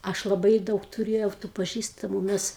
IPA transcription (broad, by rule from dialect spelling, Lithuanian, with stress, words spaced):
ˈɐʃ lˠɐˈbɐɪ ˈdɐʊk tʊˈrʲeːjɛʊ tuː pɐˈʒʲiːstɐmʊ ˈmʲɛs